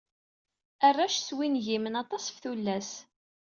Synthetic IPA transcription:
ərːæʃswinʝimənɑt̪ˤɑsfθulːæs

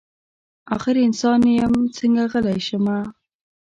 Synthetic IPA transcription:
ɑ̰xɪɾiɪnsɑnjamt͡səŋɡaɣəlajʃəma

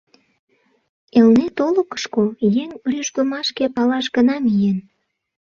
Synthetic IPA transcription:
elnet̪olokə̥ʃkojeŋryʃkomɑʃkepɑlɑʃɡənɑmijen

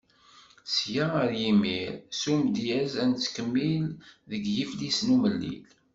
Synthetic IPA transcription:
sjaəɾjimiɾsumd̪jæzænt͡sːkəmːilðəɡjiflisnuməlːḭl

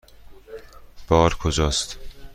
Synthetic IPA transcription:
b̥ɒːɾkʰod͡ʒɒːst̪

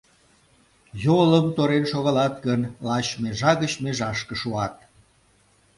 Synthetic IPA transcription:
joləmt̪oɾenʃoɣɑlɑt̪ɡənlɑt͡ɕmeʒɑɣət͡ɕmeʒɑʃkə̆ʃuɑt̪̚

